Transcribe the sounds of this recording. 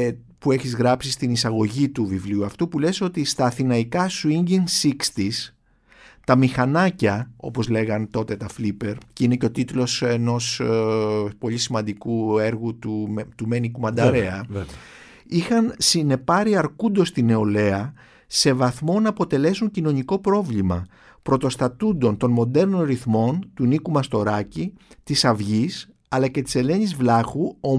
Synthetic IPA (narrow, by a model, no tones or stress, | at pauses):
pue̞çizɣɾɐpsist̪inisɐɣo̞ʝit̪uvivliuɐft̪upule̞so̞t̪ist̪ɐːθinɐikɐsuiɲɟinsikst̪is | t̪ɐmixɐnɐcɐo̞̰po̞zle̞ɣɐnt̪o̞t̪e̞t̪ɐflipe̞ɾceineceo̞t̪it̪lo̞se̞no̞s | po̞ʎisimɐnd̪ikueɾɣut̪ut̪umenikumɐnd̪ɐɾeɐ | ixɐnsine̞pɐɾiɐɾkund̪o̞st̪ine̞ole̞ɐ | se̞vɐθmo̞nɐːpo̞t̪e̞le̞suɲcino̞niko̞pɾo̞vlimɐ | pɾo̞t̪o̞st̪ɐt̪und̪o̞nt̪o̞nmo̞d̪e̞ɾno̞nɾiθmo̞nt̪unikumɐst̪o̞ɾɐcit̪isɐvʝis | ɐlɐce̞t̪i̥se̞le̞ɲizvlɐxuo